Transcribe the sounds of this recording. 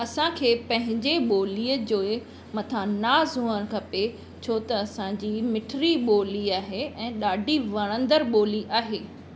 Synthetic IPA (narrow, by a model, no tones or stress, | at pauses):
ɐsãkʰeːpɐ̃ɦɪ̃ɲd͡ʑeɓoːliːəd͡ʑoːe | mɐt̪ʰãnaːzɦuːəñkʰɐpe | t͡ɕʰoːt̪ɐːsãd͡ʑiːmɪʈʰɾiɓoːliaːɦeɛ̃ːɗaːɖʱiʋɐɽ̃ə̃nd̪əɾɓoːliʔaːɦeː